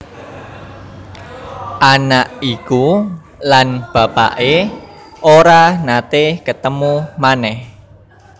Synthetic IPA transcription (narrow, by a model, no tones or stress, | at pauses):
ʔanaʔiku | lanb̥a̤pa̰ʔe | ʔoɾanat̪ekət̪əmumanɛh